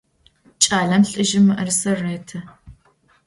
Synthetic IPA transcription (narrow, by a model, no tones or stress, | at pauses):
t͡ʃʼaːɮɐmɬʼɨʒɪmʔɐrsɐreːtʰɐ